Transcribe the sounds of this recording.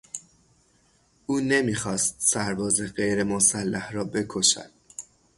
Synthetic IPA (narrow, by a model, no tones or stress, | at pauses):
ʔuːne̞miːxɒːst̪̚sæɾbɒːzeɢe̞jɾe̞mosælːæhrɒːbe̞kʰo̞ʃæ̰d̪̥̚